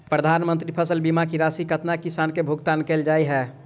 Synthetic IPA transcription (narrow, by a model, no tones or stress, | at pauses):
pɾəd̪ʱaːnmənt̪ɾipʰəsəlbimakiɾaːsikət̪nakisaːnkebʱʊɡt̪ankeːld͡ʒaːiɦɛː